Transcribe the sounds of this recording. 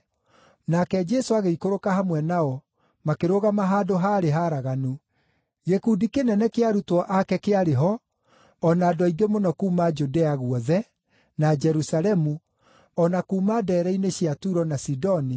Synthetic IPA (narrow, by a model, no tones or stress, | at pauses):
nakɛd͡ʒɛsoaɣeikoɾokahamwɛnaɔ | makeɾoɣamaɦadoɦaːɾeɦaːɾaɣanu | jekudikenɛnɛkeaɾutwɔʔakɛkeaɾeɦɔ | ɔnaːdɔiɡemonɔkuːmad͡ʒudeaɣwɔðɛ | nad͡ʒɛɾusalɛmu | ɔnakuːmaːdɛːɾɛineɕjatuɾɔnasidɔni